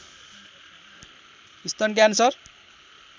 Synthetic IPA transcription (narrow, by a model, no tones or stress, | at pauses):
ist̪ʌnk̬ansʌr